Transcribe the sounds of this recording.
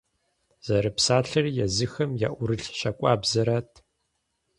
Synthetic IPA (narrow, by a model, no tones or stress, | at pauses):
z̥ɐɾɐpsaːɬɐrjɛzɨxɐmja̰ʔʷʊɾɨɬɕɐkʷʼaːbzɐɾaːtʰ